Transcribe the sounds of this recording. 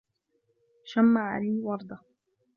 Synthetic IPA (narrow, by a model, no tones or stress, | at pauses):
ʃamːaʕa̰liːwɑɾˤd̪ˤɑ